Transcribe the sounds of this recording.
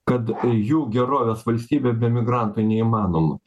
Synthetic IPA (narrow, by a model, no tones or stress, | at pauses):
kɐt̪juːɡʲɛɾoːʋʲeːsʋɐlʲsʲt̪ʲiːbʲebʲɛmʲɪɡɾɑˑnt̪ʊɪnʲɛiːmɑːnoːmʊ